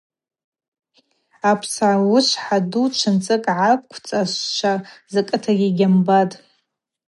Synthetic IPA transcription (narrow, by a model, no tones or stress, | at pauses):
apʰsawʊʃʷʰħadut͡ʃʷʰɨnt͡sʼɨkʼʕakʷʰt͡sʼaʃʷt͡ʃʷʰazakʼɨtʰaɡʲiɡʲambatʼ